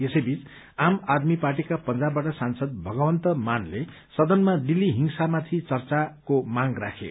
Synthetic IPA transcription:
esʌjbʱit͡s | amad̪miparʈikapʌnd͡zabːaʈʌsansʌd̪̚bʱʌɡʌwʌnt̪ʌmanle | sʌd̪ʌnmaɖilːiɦiŋsamat̪ʰit͡sʌrt͡sakomaŋra̰kʰḛ

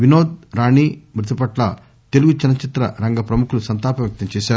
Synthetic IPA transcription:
ʋinoːd̪̚ɾaːɳiːmɾɪt̪ɐpɐʈlɐ̰ | t̪eluɡut͡ʃɐnɐt͡ʃit̪ɾɐ̰ɾɐŋɡɐpɾɐmukʰulusɐnt̪aːpɐʋjɐk̚t̪ɐɲt͡ʃɛːʃaːu

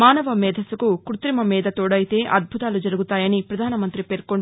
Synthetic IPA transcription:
aːnɐʋɐmɛːd̪ʱɐsukukɾut̪ɾimɐmiːd̪ɐt̪oːɽɐjit̪e̞ːʔɐd̪̚bʱut̪aːlud͡ʒɐɾuɡut̪aːjɐnipɾɐd̪ʱaːnɐmɐnt̪ɾipeːɾkoɳ

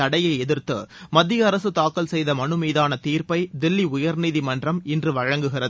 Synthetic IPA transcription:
ɐɽɐjɐɪɛðɪɾt̪ɯmɐd̪ːɪjɐɐɾɐsɯt̪aːkːɐlsɛjðɐmɐɳɯmiːðaːnɐt̪iːrpɐɪd̪ɪlːiʊjɐɾniːðimɐndrɐmɪndrɯʋɐɻɐŋɡɯɣɪrɐð

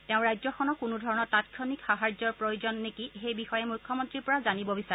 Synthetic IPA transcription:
teʊ̃ɹajzɔxʰɔnɔkunudʱɔɹɔnɔɹtatkʰɔnikxaɦaɹzɔɹpɹojozɔnːekixejbixɔjɛmujkʰːɔmɔntɹiɹpɔɹazanibɔbisaɹɛ

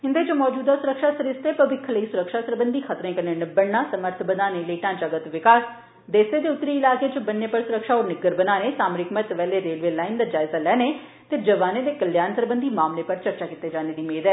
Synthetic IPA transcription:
ɦɪnd̪eːd͡ʒomɔːd͡ʒuːd̪aːsʊɾəkʃaːsəɾɪst̪eːpəʋɪkʰːləiːsʊɾəkʃaːsəɾbənd̪iːxʰət̪ɾẽːkəneːnɪbːəɽnaːsəməɾt̪ʰbəd̪aːneːləiːʈãːt͡ʃəɡət̪ʋɪkaːs | d̪eːseːd̪eːʊt̪ːɾiːɪlaːkeːt͡ʃəbənːeːpəɾsʊɾəkʃaːoːɾnɪɡəɾbənaːneːsaːmɾɪkmət̪ʋɛːleːɾeːlʋeːlaːind̪aːd͡ʒaːɪzaːlɛːneː | t̪eːd͡ʒəʋaːneːd̪eːkəljaːnt̪əɾbənd̪iːmaːmleːpəɾt͡ʃəɾt͡ʃaːkɪt̪ːeːd͡ʒaːneːd̪iːmeːd̪ɛː

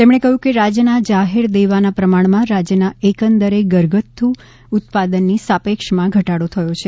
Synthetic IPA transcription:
t̪emɳ̃ekəɦjũkeɾad͡ʒjənad͡ʒaɦeɾd̪eʋanapɾəmaɳmãɾad͡ʒjənaekənd̪əɾeɡəɾɡət̪ʰːu | ut̪̚pad̪ənːisapekʃmãɡʱəʈaɽot̪ʰəjot͡ʃʰe

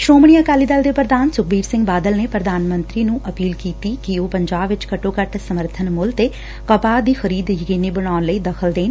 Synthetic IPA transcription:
ʃoːmɳijaːkaːliːd̪əld̪eːpɾəd̪aːnsʊk̚biːɾsɪ̃ŋɡbaːd̪əlneːpɾəd̪aːnmə̃nt̪ɾiːnũːʔəpiːlkiːt̪iːkɪoːpəɲd͡ʒaːbʋɪt͡ʃkəʈoːkəʈsəməɾt̪ʰənmʊlt̪e | kəpaːd̪iːxʰəɾiːd̪jəkiːniːbəɽaːnləiːd̪əkʰəld̪eːn

